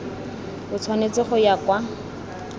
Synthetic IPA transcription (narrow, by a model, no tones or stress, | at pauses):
bʊt͡sʰwanet͡sɪχʊjakwa